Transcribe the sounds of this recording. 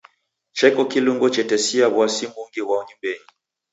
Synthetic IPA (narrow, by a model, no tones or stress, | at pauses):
t͡ʃɛkɔkiluŋɡɔt͡ʃɛtɛsiaβwasimbuŋɡiwaɔɲimbɛɲi